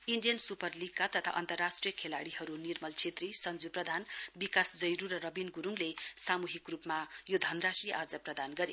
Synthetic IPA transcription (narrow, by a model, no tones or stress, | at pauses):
iɳɖijʌnsupʌrlikːat̪ʌt̪ʰa̰ʔʌ̰nt̪ʌrːasʈrijʌkʰelaɽihʌɾunirmʌlt͡sʰet̪risʌnd͡zuprʌd̪ʱanbikasd͡zʌjɾuɾʌɾʌbinɡuɾuŋlesamuɦikrupmajod̪ʱʌnrasiʔad͡zʌprʌd̪anɡʌɾe